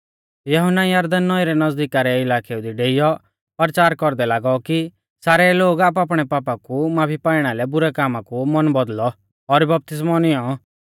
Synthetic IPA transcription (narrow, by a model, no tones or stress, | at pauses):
jɐɦʊnːajaːɾd̪anːɔiɾɛnɐzd̪ikaɾɛɪlaːkʰɛud̪iɖeːɪjɔ | ɔɾt͡ʃaːɾkɔɾd̪ɛlaːɡɔki | saːɾɛloːɡaːp̬ap̬ɽ̃ɛpaːpakumaːpʰipaːɪɽ̃alɛbʊɾɛkaːmakumɔnbɔd̪lɔː | ɾbɐp̚t̪ɪs̬mɔnɪjɔ